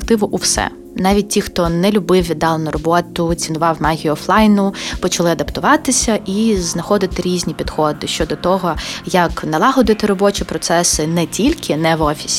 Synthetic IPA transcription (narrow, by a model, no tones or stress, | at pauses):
kt̪ɪʋʊʔuwsɛ̰ | nɑʋʲit̚ʲtʲːixt̪ɔnɛlʲʊbɪwʲid̪ːɑlˠɐnʊɾɔbɔt̪ʊt͡sʲinʊʋɑwmɑɦʲiːflˠɑjnʊpɔt͡ʃɐlˠɪɐd̪ɐpt̪ʊʋɑt̪ɪsʲɐʔiznɐxɔd̪ɪt̪ɪɾʲizʲnʲipʲid̪xɔd̪ɪʃt͡ʃɔd̪ɔt̪ɔɦɔjɐknɐlˠɑɦɔd̪ɪt̪ɪɾɔbɔt͡ʃipɾɔt̪sɛsɪnɛtʲilʲkʰɪnɛʋɔfʲi̥sʲ